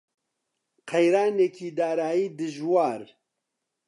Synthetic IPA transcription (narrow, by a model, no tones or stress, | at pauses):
qʰɛjɾaːnekiːd̪aːɾaːjiːd̪ɨʒwaːɾ